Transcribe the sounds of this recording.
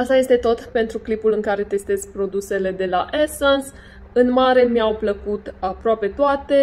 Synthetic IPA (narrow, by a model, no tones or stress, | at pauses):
ast̪aje̞st̪e̞t̪o̞t̪pe̞nt̪ɾuklipulɨŋkaɾe̞t̪e̞st̪ezpɾo̞d̪use̞le̞d̪e̞laʔesons | ɨnmaɾe̞mjawpləkut̪apɾoape̞t̪oat̪e̞